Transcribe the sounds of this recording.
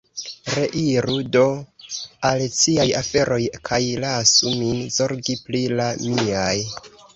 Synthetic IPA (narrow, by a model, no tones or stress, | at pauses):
ɾe̞ʔiɾudo̞ | alsiajafe̞ɾʔo̞jkʰajlasuminzo̞ɾɡiplilamiaj